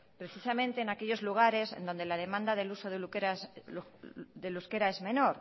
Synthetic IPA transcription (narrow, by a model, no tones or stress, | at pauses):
pɾe̞θisamẽnt̪e̞ːnakeʎo̞zluɣ̞aɾe̞sḛnd̪o̞nd̪elað̞e̞mãnd̪aðelusoðelukeɾa | ðeluskeɾaezmẽnoɾ